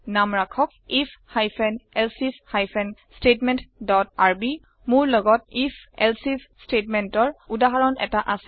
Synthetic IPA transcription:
namɹakʰɔk̚ | ipʰhajpʰɛnɛlsishajpʰɛnstetmɛntdɔtaɹbi | mʊɹlɔɡɔt̚ipʰɛlsis | stetmɛntɔɹudaɦaɹɔnɛ̰taʔasɛ

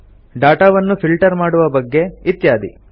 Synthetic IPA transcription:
ɖaːʈaːʋɐnːupilʈɐɾmaːɽuʋɐbɐɡːe̞it̪jaːd̪ḭ

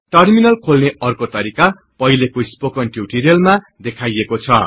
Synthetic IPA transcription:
ʈʌrminʌlkʰolneʌrkot̪ʌɾika | pʌɦilekoispokʌnʈjuʈiɾijʌlma | d̪ekʰajekot͡sʰʌ̰

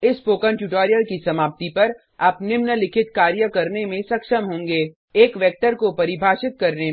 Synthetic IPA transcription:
ɪspoːkəɳʈuʈoːɾijəlkisɐmaːp̚t̪ipɐɾ | ɐpnɪmnəlɪkʰɪt̪kaːɾjəkɐɾnemẽsɐkʃəmɦõːŋɡeː | eːkʋɛːk̚ʈəɾkopɐɾɪbʱaːʃɪt̪̚kɐɾne

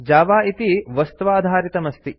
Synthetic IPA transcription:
d͡ʒaːʋaːit̪iʋɐst̪ɐʋaːd̪ʱaːɾit̪ɐmɐst̪i

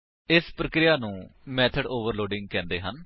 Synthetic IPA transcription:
ɪspɾəkɾɪjaːnũːmɛːt̪ʰəɖoːʋəɾloːɖɪ̃ŋɡ̚kɛ̃ːnd̪eːɦən

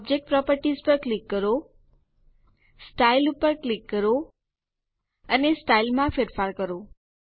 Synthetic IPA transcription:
b̚d͡ʒek̚ʈ̚pɾɔpəɾʈizpəɾklikːəɾo | sʈailupəɾklikːəɾo | ənesʈailmãfeɾfaɾkəɾo

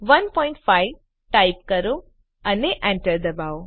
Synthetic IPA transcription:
ʋənpɔĩɳʈfaiʋ | ʈaip̚kəɾõ | əneʔɛ̃ɳʈəɾd̪əbao

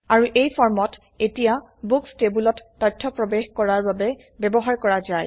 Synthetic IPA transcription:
aɹuʔejpʰɔɹmɔt | etija | bukstebulɔtːɔjtʰːɔpɹɔbexkɔɹaɹbabɛ | bɛbɔɦaɹkɔɹazaj

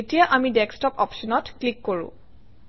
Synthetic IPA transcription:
etijaʔamidɛkstɔpɔpʃɔnɔtklikːoɹʊ̰̃

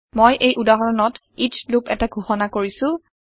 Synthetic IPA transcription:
mojʔejʔudaɦɔɹɔnɔt | it͡ʃlupɛtaɡʱuxɔnakoɹisʊ̃

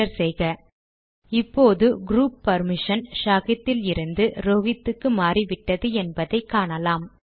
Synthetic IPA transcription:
ɐɾsɛjɣɐ | ɪpːoːðɯɡɾuːpːɐɾmɪʂɐnʂaːɣɪt̪ːɪlɪɾɯnd̪ɯɾoːɣɪt̪ːɯkːɯmaːriʋɪʈːɐðɯɛnbɐðɐɪkːaːɳɐlaːm

